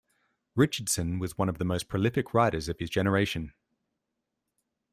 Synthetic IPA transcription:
ɹɪt͡ʃəd̥sə̃nwɒzwʌ̃ñəvðəməʊspʰɹ̥əlɪfɪkʰɹaɪɾəzəv̥ɪzd͡ʒɛnəɹeɪʃə̃n

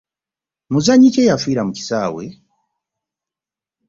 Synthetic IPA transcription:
muzaɲicejafwiːɾamuci̥saːwḛ

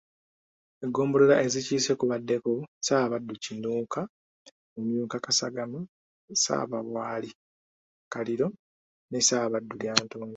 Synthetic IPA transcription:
eɡo̞ːmbololaʔe̞ziciːse̞kuβadːe̞kosaːβadːucinuːka | umjuːkakasaɡama | sa̰ːβaβwaːli | kaliɾo̞ | ne̞saːβadːuljaːntoːno

